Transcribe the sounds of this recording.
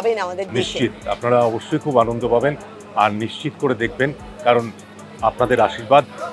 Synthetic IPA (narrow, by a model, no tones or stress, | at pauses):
ead̪niʃt͡ɕit̪apnaɾaɔboʃːojkʰubanond̪ʱopaben | aɾniʃt͡ɕit̪koɾed̪ekʰben | kaɾon | apnad̪eɾaʃiɾbad̪